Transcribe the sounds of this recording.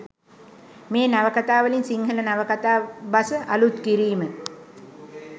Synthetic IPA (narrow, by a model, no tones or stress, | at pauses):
meːnaʋəkat̪aːʋəlinsiŋɦələnaʋəkat̪aːbasəʔalut̪kiɾiːmə